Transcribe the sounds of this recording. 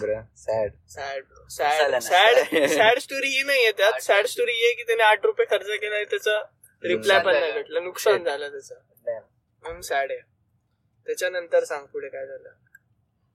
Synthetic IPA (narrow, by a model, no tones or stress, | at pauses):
sɽsæɽ | sææɽsæɽsʈoɾijenaɦijet̪jat̪sæɽsʈoɾiːjekiːt̪aneaʈʰɾupekʰəɾt͡səkenait̪jat͡sa | ɾipʰlajpənːaʋeʈlənuksand͡zʱalət̪jat͡sa | məŋsæɽe | t̪jat͡ɕjanənt̪əɾsãŋɡ̚puɽ̤ekajd͡zʱalə